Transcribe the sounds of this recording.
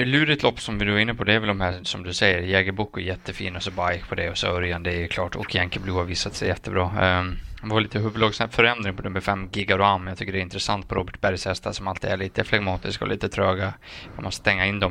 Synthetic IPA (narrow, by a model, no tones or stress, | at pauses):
lʉ̟ːɾɪt̪lɔpːsɔmvɪd̪ɵaɾɪnːəpʰɔd̪ɛæɾvɛld̪ɔmhæːsɔmd̪ɵsɛjːəɾjɛːɡəɾbukːɛjɛt̪ʰːəfiːnasɔbaɾjkpʰɔd̪ɛɔsœɾjand̪əɛɛjkʰlɑːʈʰɔ̰kːjɛŋkəbluːhaɾviːsat̪sɛjjɛt̪ːəbɾɑː | valiːt̪əɦɵblɑːɡsnɛpfœɾɛnd̪ɾɪŋpɔnɵmːəfɛmːɡɪɡaɾʊamːjɑɡt̪ʰʏkːəɖɛɾɪnt̪ɾəsant̪̚pʰɔɾoːbəʈ̚bæɾjsɛst̪asɔmalt̪iɛɭiːt̪əflaɡmɑːt̪ɪskaɔ̰lḭːt̪ət̪ʰɾøːɡaɑmɔst̪ə̥st̪ɛŋːaɪnd̪ɔm